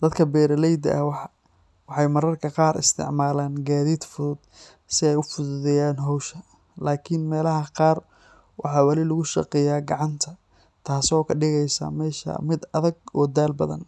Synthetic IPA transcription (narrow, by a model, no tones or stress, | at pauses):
d̪̥ɐd̪kʰɐbɛːɾɐlɛjd̪ɐ̰ʔɐw | wɑħɑjmɐɾɐrkʰɐqɑːɾɪ̰st̪ʰɪ̰ʕmaːlaːnɡaːðiːd̪fʊðʊd̪̥ | sɪɛjʊfʊðʊðɛjaːnɦɔwʃɐ | laːkʰɪnmɛːlɐɦɐqɑːr | wʔɑ̰ħɑwɑlɪlʊɣʊʃɑ̰qɛjaːɡɑʕɑnt̪ʰɐ | t̪ʰaːsɔːkʰɐɖɪɣɛjsɐ̰mɛːʃɐ̰mɪd̪ɐðɐɡɔːd̪aːlbɐ̰ðɐ̰n